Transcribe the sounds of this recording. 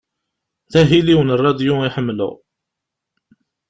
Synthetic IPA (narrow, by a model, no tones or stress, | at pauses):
θæɦiliwənrˤːɑd̪juiħəmːlʊ̰ʁ